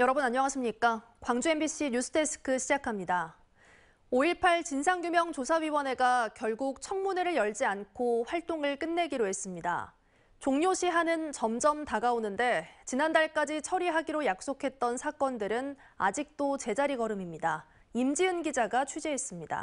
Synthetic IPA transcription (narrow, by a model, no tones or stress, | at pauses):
jʌɾʌbunaɲɲʌŋaɕʰimɲik͈a | kwaŋd͡ʑue̞mbiɕʰiɲusʰɯ̥tʰe̞s͈ʰɯ̥kʰɯɕʰid͡ʑakʰamɲida | oiɭpʰaɭt͡ɕinsʰaŋɡjumjʌŋt͡ɕosʰawɥiwʌne̞ɡakjʌɭɡuk̚t͡ɕʰʌŋmuneɾɯɭjʌɭd͡ʑiankʰoɸwaɭt͈oŋɯɭk͈ɯnːe̞ɡiɾoɦe̞s͈ɯmɲida̰ | t͡ɕoŋɲoɕʰiɦanɯnt͡ɕʌmd͡ʑʌmtaɡaonɯnde̞t͡ɕinandaɭk͈ad͡ʑit͡ɕʰʌɾiɦaɡiɾojak̚s͈okʰe̞t̚t͈ʌnsʰak͈ʌndɯɾɯna̰d͡ʑik̚t͈ot͡ɕe̞d͡ʑaɾiɡʌɾɯmimɲida | imd͡ʑiɯnɡid͡ʑaɡat͡ɕʰud͡ʑe̞ɦe̞s͈ɯmɲida̰